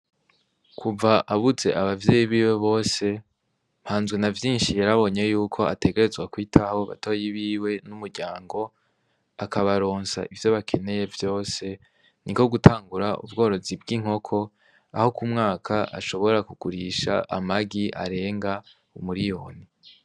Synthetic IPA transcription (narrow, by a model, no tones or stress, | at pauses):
kʰuvaʔaβuze̞ʔaβavjeːjiβiːwe̞βo̞ːse̞ | m̥haːnzɡwe̞navjiːnʃijaɾaβo̞ɲe̞juːkʰo̞a̰te̞ke̞ɾe̞zɡwakwiːtʰaho̞βa̰to̞ːjiβiːwe̞numuɾɟaːŋɡo̞ | akaβaɾo̞ːnsa̰ʔivjo̞βakʰe̞ne̞je̞vjo̞ːse̞ | niko̞ɡutʰaːŋɡuɾaṵbɡo̞ːɾo̞zibɡiŋ̥ho̞kʰo̞ | a̰ho̞kumŋaːkʰaʔa̰ʃo̞βo̞ɾakuɡ̥uɾiʃa̰ʔa̰maɡiʔa̰ɾe̞ːŋɡa | umuɾijo̞ːni